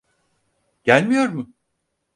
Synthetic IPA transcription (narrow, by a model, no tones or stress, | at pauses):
ɟ̥ælʲmijo̞ɾmʊ